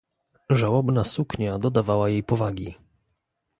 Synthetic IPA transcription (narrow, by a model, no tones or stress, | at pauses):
ʐawɔbnasukɲad̪ɔd̪avawajejpɔvaɡʲi